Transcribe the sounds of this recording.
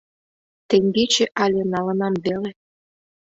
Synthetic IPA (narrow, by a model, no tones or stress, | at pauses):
t̪eŋʲbet͡ɕĕʔɑlʲenɑlə̆nɑmβele